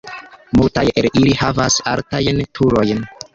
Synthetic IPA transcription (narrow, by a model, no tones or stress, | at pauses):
multajelilihavasa̰ltajntʰuɾo̞jn